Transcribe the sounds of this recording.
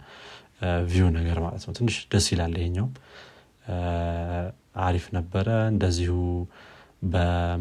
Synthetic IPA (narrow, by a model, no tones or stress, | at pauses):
vijonəɡəɾma̰lət̪nəwt̪ʰɨnːɨʃd̪̥əsilalːəheɲːawm | aɾifnəbːəɾəɨnd̪əzːihu | bə